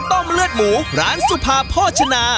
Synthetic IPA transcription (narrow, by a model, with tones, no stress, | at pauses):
t̪ɔ˥˩mlɯ˥˩ət̪̚muː˨˦ɾaː˨˦˥nsu˧pʰaː˧pʰɔː˥˩t͡ɕʰa˧naː˧